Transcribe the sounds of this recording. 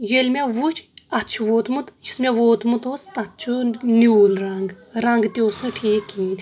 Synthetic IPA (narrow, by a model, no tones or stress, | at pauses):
jelʲmʲaʋut͡ʃʰɐtt͡ʃʰuʋoːt̪mut̪jismʲaʋoːt̪mut̪oːst̪ɐt̪ːt͡ʃʰunuːlɾɐŋɡ | ɾɐŋɡt̪ʲoːsnɨʈʰiːkːiːn